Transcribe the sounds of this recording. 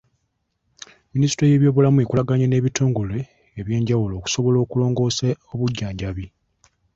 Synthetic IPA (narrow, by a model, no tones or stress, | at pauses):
minisitoje̞ːβjo̞ːβulamue̞kulaɡaɲene̞ːβitoːŋɡole̞ː | βje̞ːɲɟawulo̞ːku̥so̞βo̞lo̞ːkulo̞ːŋɡo̞ːsaoβuɟːaːɲɟaβi